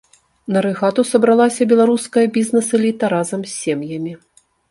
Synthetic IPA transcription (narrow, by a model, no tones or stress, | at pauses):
nɐɾɨɣat̪usɐbɾalˠasʲɐbʲɛlˠaɾuskɐjɐbʲiznɐsɨlʲit̪ɐɾazɐmsʲːemjɐmʲi